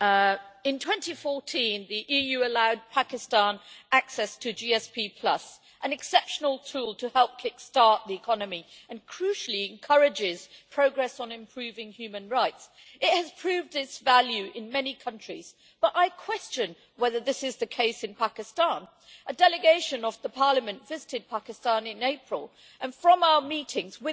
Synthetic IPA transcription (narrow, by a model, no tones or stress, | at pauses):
ɨ̃ntʰw̥ɛ̃ntifɔɹtʰĩnðiʔijʉəlaʊd̚pʰækɨstɑ̃næksɛstʰɨd͡ʒiɛspʰipʰl̥ʌ̰s | ʔɨ̃nɨksɛpʃnl̩ˠtʰulˠtʰɨhɛlˠp̚kʰɪkstɑɹʔ̪̚ðiɨkʰɑnɨmiɨ̃nkʰɹ̥ʉʃl̩ˠiɨ̃nkʰʌɹɨd͡ʒɪz̥pʰɹ̥oʊɡɹɛsn̩ɨ̃mpʰɹ̥ʉvɪ̃ŋhjʉmɨ̃nɹaɪts | ɪt̚hɨz̥pʰɹ̥ʉvdɪtsvælˠjʉʔɪ̃nmɛnikʰʌ̃nt͡ʃɹ̥iz̥ | b̥ʌɾʔaɪkʰw̥ɛst͡ʃɨ̃n | wɛðə˞ðɪsɨzðɨkʰeɪsɨ̃npʰækɨstɑ̃n | ʔɨdɛlˠɨɡeɪʃɨ̃nʌvðəpʰɑɹlˠəmɨ̃ntv̥ɪzɨɾɨd̚pʰækɨstɑ̃nɨ̃neɪpʰɹ̥əl̩ˠ | ʔɨ̃nfɹʌ̃maʊə˞miɾɪ̃ŋzwɪ